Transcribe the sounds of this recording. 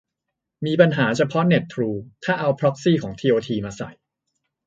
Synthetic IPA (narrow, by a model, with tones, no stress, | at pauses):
miː˧pa˧nɦaː˩˦t͡ɕʰa˧pʰɔ˦˥ne˨˩t̪ʰːɾuː˧t̪ʰaː˥˩ʔa˧wpʰɾɔ˦˥k̚siː˥˩kʰɔː˩˦ŋt̪ʰiː˧ʔoː˧t̪ʰiː˧maː˧sa̰˨˩j